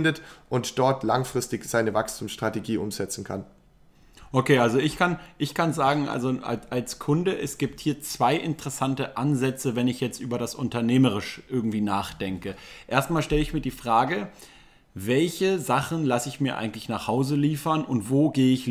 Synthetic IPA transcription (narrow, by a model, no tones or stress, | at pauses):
ndətʔʊntd̥ɔɐtʰlaŋfʁ̥ɪstɪçz̥aɪnəvakstʰuːmsʃtʁ̥ateɡiːʔʊ̰mzɛt͡sn̩kʰa̰n | ʔokʰeːʔalzoɪçkʰanʔɪçkʰanzaːɡŋ̩ʔa̰lzoʔa̰alskʰʊndəʔɛsɡ̥iːp̚thiːɐt͡sv̥aɪʔɪntəʁ̥ɛsantəʔanzɛt͡səvɛnɪçjɛt͡stʔyːbɐɾasʔʊntɐneːməʁ̞ɪʃʔɪɐɡŋ̩tv̥iːnaːχd̥ɛŋkəʔeːɐstmaːlʃtɛləɪçmiːɐdiːfʁ̥aːɡə | vɛlçəzaχn̩lasəɪçmiːɐʔa̰ɪɡŋ̩tlɪçnaːχhaʊzəliːfɐnʊntv̥oːɡeːəɪç